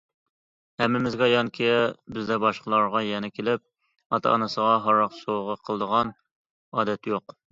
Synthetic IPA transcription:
hɛmːɪmɪzɡʲɑjɑŋkʲʰebɪzd̪ɛbɑʃqʰəlˠɑɾʁɑjɛnɪkʲʰelɪp̚ | ɑt̪ʰɑ̰ɑnɨsəʁɑɦɑɾɑqsowʁəqʰəlˠd̪əʁɑn | ɑːd̪ɛt̪joq

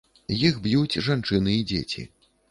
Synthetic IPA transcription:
jixbjut͡sʲʐant͡ʂɨnɨid͡zʲḛt͡sʲḭ

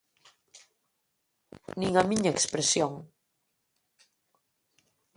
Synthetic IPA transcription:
nĩŋamiɲaekspɾesjoŋ

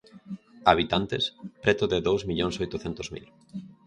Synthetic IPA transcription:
aβ̞it̪ant̪espɾɛt̪ʊðeðowzmiʎonsojt̪oθent̪ozmḭl

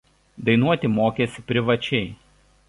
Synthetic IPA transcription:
d̪ɐɪnuɔt̪ʲɪmoːkʲeːsʲɪpʲɾʲɪʋɐt͡ʃʲɛɪ

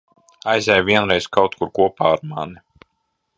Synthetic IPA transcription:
ajzʲɛjvʲiɛnɾɛjskawt̪̚kuɾkuɔpaːɾmani

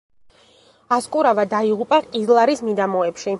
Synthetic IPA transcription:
askʼuɾavad̪aiʁupʼaqʼizlˠaɾismid̪amɔɛpʃi

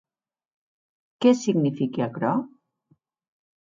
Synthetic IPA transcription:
kɛsiɡnifikeakɾɔ

